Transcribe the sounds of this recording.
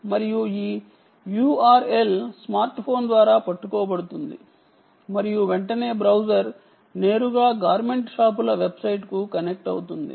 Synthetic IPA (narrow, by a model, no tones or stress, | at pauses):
mɐɾijuiː | juːaːɾe̞lsmaːɾʈpʰo̞ːnd̪ʋaːɾaːpɐʈːukɔːbɐɽut̪und̪ḭ | mɐɾijuʋeɳʈɐne̞ːbɾɐwd͡ʒɐɾ | ne̞ːɾuɡaːɡaːɾme̞ɳʈʂaːp̬ulɐʋe̞bsɐjʈkukɐnek̚ʈɐwut̪und̪ḭ